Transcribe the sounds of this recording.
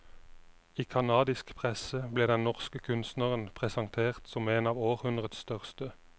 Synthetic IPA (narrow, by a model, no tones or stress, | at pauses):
iːkʰɑnɑːd̪ɪskpʰʁɛsəbleːd̪ɛnnɔʁskəkʰʉnst̪nəʁənpʰʁɛsɑŋt̪ʰeːʁt̪sɔmeːnɑːʋoːʁhʉnd̪ʁəd̪sst̪œʁst̪ə